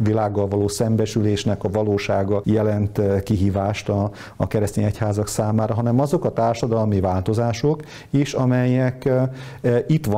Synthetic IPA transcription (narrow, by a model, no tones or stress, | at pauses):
ʋilaːɡːɒlvɒloːsɛmbɛʃyleːʃnɛkɒvɒloːʃaːɡɒjɛlɛnt̪kiɦiːvaːʃt̪ɒː | kɛɾɛst̪eːɲɛchaːzɒksaːmaːɾɒɦɒnɛmɒzo̞kɒt̪aːrʃɒd̪ɒlmivaːlt̪o̞zaːʃok | iʃɒmɛjɛk | it̪ʋɒ